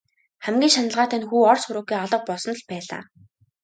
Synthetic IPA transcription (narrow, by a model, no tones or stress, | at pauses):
χæmɡʲiːŋʃanə̆ɮʁaːt̪ʰæːnxuːɔrsʊɾuːkiːɔɮɞ̆q̚pɔsɞ̆n̆ɮpæːɮa̰ː